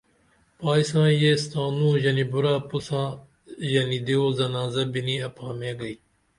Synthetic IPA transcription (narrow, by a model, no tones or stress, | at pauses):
paːisãːjeːst̪aːnũːjɐnibʊɾaːpusãː | jɐnid̪ioːzɐnaːzɐbiniɐpãːmẽːɡɐiː